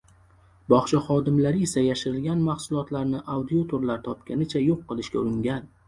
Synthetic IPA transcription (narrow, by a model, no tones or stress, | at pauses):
bɒχt͡ʃʰaχɒd̪ɪmlaɾɪesajaʃɪɾɪlɡʲanmaχsʊlˠɒt̪laɾnɪʔawd̪iot̪ʰoɾlaɾt̪ʰɒpkʲanɪt͡ʃʰajoqːɨlˠɪʃkʲaʊɾɪŋɡʲan